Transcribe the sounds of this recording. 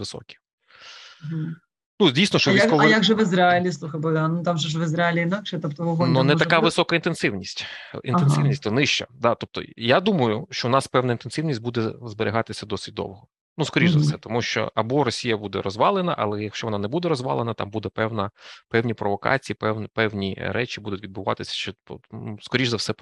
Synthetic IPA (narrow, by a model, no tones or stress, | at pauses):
ʋɪsɔ̰kʲi̥ | ɦ̩ | nudʲijsʲnɔʃt͡ʃɔʋiskɔʋɔjiaɡʒɛʋɪzɾaɪlʲislˠuxɐjbɔd̪anʊt̪amʒɛʒʋɪzɾaɪlʲiɪnɑkʃɛt̪ɔpt̪ɔʋɔɦɔnunɛt̪ɐkaʋɪsɔkɐint̪ensɪwnʲisʲtʲḭnenɪwnʲisʲtʲt̪ɔnɪʃt͡ʃɐ̰d̪at̪ɔp̚t̪ɔ̰jad̪umɐjʊʃt͡ʃɔʊnɑspɛwnɐint̪ensɪwnʲisʲtʲbud̪ɛzbeɾʲɪɦɑt̪ɪsʲɐd̪ɔsɪ̥t̚ʲd̪ɔ̰wɦɔ | nuskɔɾʲiʒzɐsɛt̪ɔmuʃt͡ʃɔ̰ɐbɔɾɔsʲijɐbud̪ɛ̰ɾɔzʋɑlˠenɐ̰ʔɐlˠɛjɐkʃt͡ʃɔʋɔnɑnɛbud̪ɛɾɔzʋɑ̰lˠenɐt̪ɑ̰mbud̪ɛpɛwnɐpɛwnʲipɾɔʋɔkɑ̰t͡sʲiipɛwnpɛwnʲiɾɛt͡ʃibud̪ʊtʲʋʲid̪̚bʊʋɑ̰t̪ɪsʲɐ̥ʃt͡ʃɛpuskɔɾʲiʒzɐwsɛ